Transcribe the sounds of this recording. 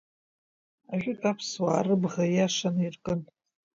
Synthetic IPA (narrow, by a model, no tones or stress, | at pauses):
aʒʷᶣʼʊtʼapʰswaːrɨbʁajaʂanirkʼɨn